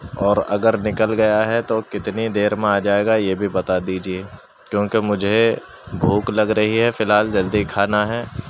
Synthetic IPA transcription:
ɔːɾɐ̰ɡəɾnɪkəlɡɐjaɦɛt̪okɪt̪nid̪eːɾmẽaːd͡ʒaːeːɡajebʱibɐt̪ad̪iːd͡ʒieː | kjõːkemʊd͡ʒʱe | bʱuːklɐɡɾɐɦiɦɛfɪlɦaːld͡ʒɐld̪ikʰaːnaɦɛː

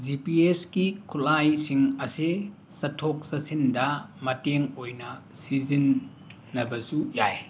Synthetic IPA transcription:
zipieskikʰulajsiŋɐse | sɐtʰɔk̚sɐsindɐmɐteŋojnɐsizinː | ɐbɐsujaj

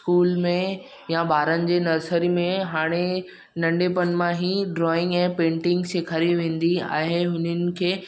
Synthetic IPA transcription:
skuːlmẽ | jabʱaːɾənɪ̆d͡ʑeːnɐɾsəɾimẽɦaːɽ̃e | nɐ̃ɳɖepɐnmãɦiɖɾɔːɪ̃ŋɡɛ̃ːpẽːɳʈɪ̃ŋɡseːkʰɐɾiʋẽːn̆d̪ia̰ːɦeɦʊnənɪ̆kʰeː

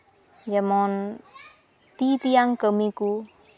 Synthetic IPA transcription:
d͡ʒəmɔn | t̪it̪ijaŋkəmiku

